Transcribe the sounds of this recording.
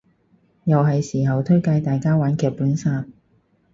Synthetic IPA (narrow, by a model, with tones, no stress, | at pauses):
jɐ˨wɦɐ˨jsiː˨˩ɦɐ˨wt̪ʰɵ˥ɥka˧jt̪aː˨jkaː˥waː˨˥nkʰɛː˨˧puː˨˥nsaː˧t̚